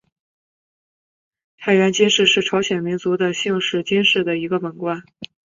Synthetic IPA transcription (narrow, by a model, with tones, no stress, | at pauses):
t̪ʰa˥˩ɪɥɛ˧˥nt͡ɕi˥nʂɻ̩˥˧ʂɻ̩˥˩ʈ͡ʂʰɑ˧˥ʊɕjɛ˨˩nmi˧˥nt͡su˧˥d̪ə˧ɕi˥˧ŋʂɻ̩˥˩t͡ɕi˥nʂɻ̩˥˩d̪ə˩i˧˥ɡə˧pə˨˩nkwa˥˩n